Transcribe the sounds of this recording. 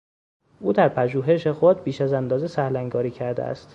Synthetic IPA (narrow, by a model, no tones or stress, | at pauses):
ʔuːd̪æɾpʰæʒuːɦe̞ʃe̞xo̞d̪̚biːʃæzænd̪ɒːze̞sæhlæŋɡɒːɾiːcʰæɾd̪ḛæ̰st̪